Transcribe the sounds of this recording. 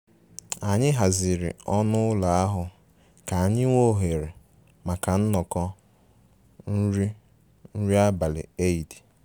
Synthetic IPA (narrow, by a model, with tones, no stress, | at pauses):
a˨ɲɪ˦ɦa˨zɪ˨ɾɪ̰˨ɔ˦nʊ˦ʊ˦la˨a˦ɦʊ˨ | ka˨a˨ɲɪ˦ŋwʷo˦ɦe˨ɾe˨ | ma˨ka˨n̩˦nɔ˨kɔ˦ | n̩˦ɾi˦ | n̩˦ɾi˦a˦ba˨lɪ̰˨e˦i˨di˨